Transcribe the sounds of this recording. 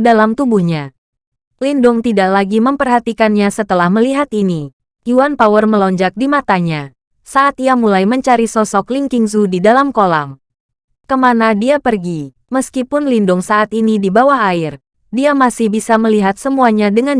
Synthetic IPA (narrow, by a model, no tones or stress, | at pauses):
dalamt̪ubuhɲa | lindʊŋt̪idaʔlaɡiməmpərɦat̪ikanɲasət̪əlahməliɦat̪ini | juwanpawərməlɔɲd͡ʒak̚dimat̪aɲa | saʔat̪iamulajməɲt͡ʃaɾisɔsɔkliŋkiŋzudidalamkola̰ŋ | kəmanadiapərɡi | məskipʊnlindʊŋsaʔat̪inidibawahaɪr | diamasɪhbisaməliɦat̪̚səmuaɲadəŋan